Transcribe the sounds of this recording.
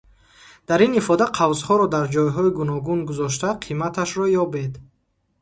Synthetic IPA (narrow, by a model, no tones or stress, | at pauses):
d̪̥aɾinifɔd̪aqʰavzhɔɾɔd̪aɾd͡ʒɔjɦɔiɡunɔɡunɡuzɔʃ̬t̪aqʰimat̪ʰaʃɾɔjɔbed̪